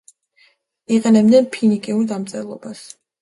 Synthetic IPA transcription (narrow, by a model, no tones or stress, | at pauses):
iqʼɛnɛbnɛnpʰinikʼiuɾd̪amt̪sʼɛlˠɔbas